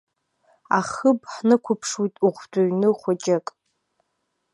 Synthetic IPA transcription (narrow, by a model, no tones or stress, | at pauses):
aχəbʼħnɨkʷʰʊpʰʂwijtʼuχʷdoɥnɨχʷat͡ʃʼɪkʼ